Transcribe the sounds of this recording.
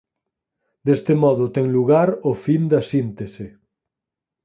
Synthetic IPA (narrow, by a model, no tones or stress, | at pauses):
d̪est̪emɔðʊt̪ɛŋluɣaɾofind̪ɐsint̪ese